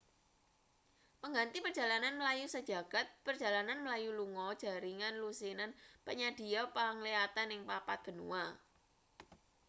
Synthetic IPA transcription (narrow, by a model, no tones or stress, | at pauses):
pəŋɡant̪ipərdʒ̥a̤lananməlajusəd̥ʒ̥a̤ɡ̥a̤t̪̚pərd̥ʒ̥a̤lananməlajuluŋɔd̥ʒ̥a̤ɾiŋanlusinanpəɲad̪̥i̤ɔpaŋliat̪anɪŋpapat̪̚b̥ə̤nṵa